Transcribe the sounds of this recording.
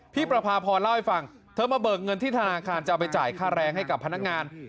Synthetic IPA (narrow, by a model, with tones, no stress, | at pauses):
pʰiː˥˩pɾa˧pʰaː˧pʰɔː˧nla˥˩wha˥˩jfa˧ŋ | t̪ʰɤː˧maː˧bɤː˨˩k̚ŋɤ˧nt̪ʰiː˥˩t̪ʰa˧naː˧kʰaː˧nt͡ɕa˨ʔwp̬a˧jt͡ɕa̰ː˨˩jkʰaː˥˩ɾɛː˧ŋɦa˥˩jka˨˩pʰːa˧na˦˥k̚ŋaː˧n